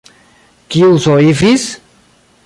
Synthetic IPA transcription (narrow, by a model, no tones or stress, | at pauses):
kiusoifis